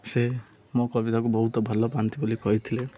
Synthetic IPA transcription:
se | mɔkɔbid̪akubɔɦut̪ɔbʱalɔpant̪ibulikɔɦit̪ʰile

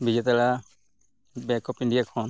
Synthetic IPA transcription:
bid͡ʒɛt̪ala | bɛkɔpiɳɖijakʰɔn

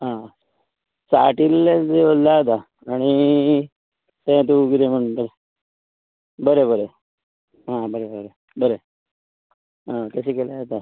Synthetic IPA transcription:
ɦã | sa̰ʈilːed͡zeollaɦt̪a | aɽ̃i | t̪ɛ̃t̪̬ukit̪em̤əɳt̪ə | bəɾebəɾe | ɦãbəɾebəɾe | bəɾe | ɦãk̪əɕikelaɦt̪a

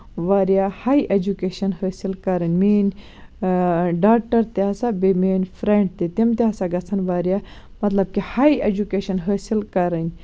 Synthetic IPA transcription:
ʋaːɾijahaːiʔed͡ʒukeːʃɐnhɐːsilkɐɾɐnʲmiːn | ɖaːk̚ʈɐɾt̪eɐsabemeːnfɾeɳɖ̚t̪it̪imt̪iɦɐsaɡɐt͡sʰɐnʋaːɾija | mɐt̪lɐb̚kihaːied͡ʒukeːʃɐnɦəːsilkɐɾɐnʲ

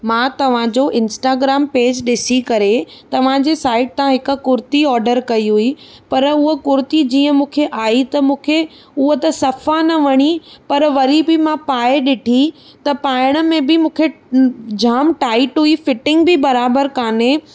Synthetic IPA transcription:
mãːt̪ɐʋ̤ãd͡ʑoːʔɪ̃nsʈaːɡɾaːmpeːd͡ʑɗɪsikɐɾet̪ɐʋ̤ãd͡ʑeːsaːɪʈ̚t̪ãɦɪkʊ̆kʊɾt̪iɔːɾɖəɾkɐiɦuipɐɾʊɦokʊɾt̪id͡ʑiːə̃mũːkʰeʔaːit̪ɐmũːkʰe | ʊɦət̪ɐsɐfanɐʋɐɽ̃ipɐɾʋɐɾibɪmãpaːɪɗɪʈʰi | t̪ɐpaːɪɽ̃ə̆mẽbɪmũːkʰe | d͡ʑaːmʈaːɪʈɦuifɪʈɪ̃ŋɡ̚bɪbɐɾaːbəɾkaːne

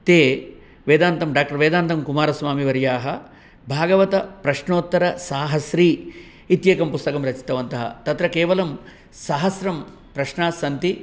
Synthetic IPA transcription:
t̪eː | ʋeːd̪aːnt̪ɐmɖaːk̚ʈɐɾʋeːd̪aːnt̪ɐmkumaːɾɐsʋaːmiʋɐɾjaːɦɐ | bʱaːɡɐʋɐt̪ɐpɾɐʃɳoːt̪ːɐɾɐsaːɦɐsɾiː | it̪jeːkɐmpust̪ɐkɐmɾɐt͡ʃi̥t̪ɐʋɐnt̪ɐɦɐ̰t̪ɐt̪ɾɐkeːʋɐlɐm | sɐɦɐsɾɐm | pɾɐʃɳaːsɐnt̪i

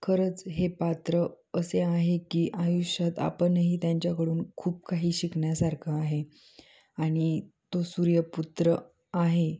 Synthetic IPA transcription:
kʰəɾət͡sɦepat̪ɾə | əseaɦekiːʔajuɕjat̪a̰pənɦiːt̪jaɲt͡ɕjakəɽuːnkʰuːp̚kaɦiːɕikɳjasaɾkʰəaɦe | aɽ̃it̪osuːɾjəput̪ɾə | aɦe

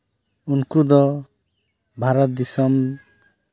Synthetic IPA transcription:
unkud̪ɔ | bʱaɾɔt̪̚d̪isɔm

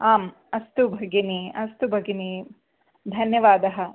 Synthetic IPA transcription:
aːm | ɐst̪ubʱɐɡiniɐst̪ubʱɐɡini | d̪ʱɐnjɐʋaːd̪ɐɦɐ̆

